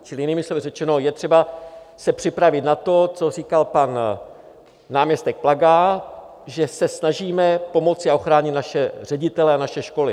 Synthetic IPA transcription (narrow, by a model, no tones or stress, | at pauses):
t͡ʃɪlɪjɪniːmɪslo̞vɪrɛt͡ʃɛno̞jɛt̪r̥ɛba | sɛpr̥ɪpɾavɪt̪nat̪o̞t͡so̞r̝iːkalpan | aːmɲɛst̪ɛk̚plaɡa | ʒɛsɛsnaʒiːmɛpo̞mo̞t͡sɪaʔo̞xɾaːɲɪt̪naʃɛr̝ɛɟɪt̪ɛlɛanaʃɛʃko̞lɪ